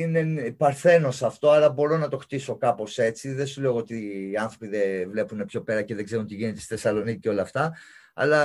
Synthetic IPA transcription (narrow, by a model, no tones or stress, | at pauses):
inepɐɾθe̞no̞sɐft̪o̞ɐlɐbo̞ɾo̞nɐt̪o̞xt̪iso̞kɐpo̞se̞t͡siðesule̞oot̪iːɐnθɾo̞piðevle̞pune̞pço̞pe̞ɾɐce̞ðeɡze̞ɾunt̪iʝinet̪e̞st̪iθe̞sɐlo̞nicceo̞lɐft̪ɐ | ɐ̰lɐ